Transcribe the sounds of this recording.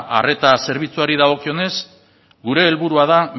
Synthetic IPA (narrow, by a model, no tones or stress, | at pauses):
ʔa̰re̞t̪ase̞ɾβit͡suaɾiðaɣ̞o̞kio̞ne̞s | ɡuɾe̞ːlβuɾuað̞a